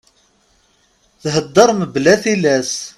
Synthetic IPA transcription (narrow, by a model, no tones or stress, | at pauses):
θɦəd̪ːəɾˤməblæθilæs